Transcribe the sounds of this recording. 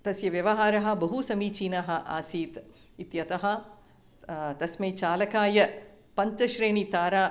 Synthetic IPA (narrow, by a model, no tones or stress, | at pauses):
t̪ɐsjɐʋjɐʋɐɦaːɾɐɦɐ̆bɐɦusɐmiːt͡ʃiːnɐɦɐ̆ʔa̰ːsiːt̪ | it̪jɐt̪ɐɦɐ̆ | t̪ɐsmeːt͡ʃaːlɐkaːjɐ | pɐɲt͡ʃɐʃɾeːɳit̪aːɾaː